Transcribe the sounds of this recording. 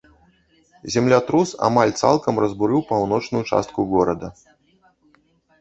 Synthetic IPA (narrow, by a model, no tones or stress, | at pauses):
zʲɛmlʲat̪ɾusa̰malʲt̪salˠkɐmrɐzbuɾɨwpawnɔt͡ʂnujut͡ʂa̰st̪̚kuɣɔɾɐd̪ɐ